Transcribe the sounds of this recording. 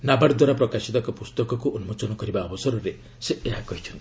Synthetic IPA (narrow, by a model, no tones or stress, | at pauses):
nabaɾd̪waɾapɾɔkasit̪ɔkɔpust̪ɔkɔkuʔonumot͡ʃɔnɔkɔɾibaɔbɔsɔɾɔɾe | seeɦakɔɦit͡ʃʰɔnt̪i